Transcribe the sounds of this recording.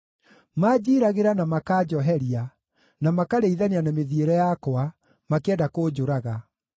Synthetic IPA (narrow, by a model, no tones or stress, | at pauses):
mad͡ʑiːɾaɣeɾanamakad͡ʑɔɦɛɾia | namakaɾeiðaneanameðieɾɛjakwa | makeɛdakoːd͡ʑoɾaɣa